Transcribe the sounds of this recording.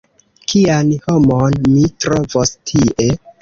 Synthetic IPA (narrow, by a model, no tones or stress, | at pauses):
kʰianhomonmitɾovostʰiʔe̞